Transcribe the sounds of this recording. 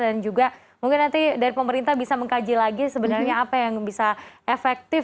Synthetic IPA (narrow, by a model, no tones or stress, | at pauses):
dand͡ʒuɡa | muŋkɪnːant̪idaɾipəməɾint̪ahbisaməŋkad͡ʒilaɡisəbənarɲaːpajaŋbisaefɛk̚t̪ɪ